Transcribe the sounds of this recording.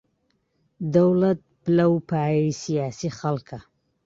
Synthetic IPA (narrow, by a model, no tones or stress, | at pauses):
d̪ɐwlɐt̪̚bɨlɐwpʰaːjeisijaːsixɐlkʰɐ